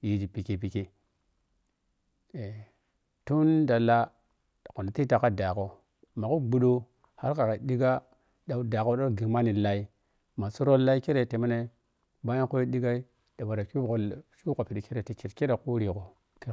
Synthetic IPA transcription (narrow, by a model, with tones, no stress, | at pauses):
ji˨d͡ʒi˨pi˨ki˨p̬i˨ke˨ | e˨ | tu˦nda˨la˦˨ | ko˨na˨ti˦ta˨ka˦da˨ko˨ | ma˨ko˦ɡ͡bu˦ɗo˦ | ha˦ɾka˨ka˨di˦ɡa˦ | da˨˦da˨ko˦ɗa˦ɡi˨ma˦ni˨la˦i˦ | ma˨su˦ɾo˦lːa˦i˦ke˦ɾe˨te˨ma˦ne˨ | ba˦a˦ko˦jo˦ɗi˦ɡa˦i˦ | da˨wa˨ɾa˨ku˦ko˨ʃu˦ko˨pi˨di˨ke˦ɾe˨te˨t͡ʃi˨ɾke˦ɾe˨ku˦ɾi˨ko˨ | ki˦